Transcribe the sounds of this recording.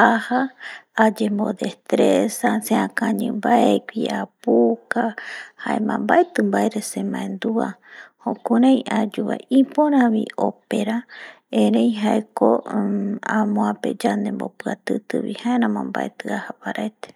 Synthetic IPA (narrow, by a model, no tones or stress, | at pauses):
ahaː | d͡ʒembo̞̰d̪est̪ɾesasẽãkãɲɨ̃mbaekʷiapukahaemãmbaet̪ɨmbaeɾesemãẽnd̪uahõkuɾãj̃ad͡ʒuβa̰ipoɾ̃ãβiope̞ɾa | eɾejɦaeko | amõãpe̞̰d͡ʒand̪e̞mbo̰pɨat̪ɨt̪ɨβḭhaeɾãmãmba̰ʔet̪ɨahapaɾʔaet̪e̥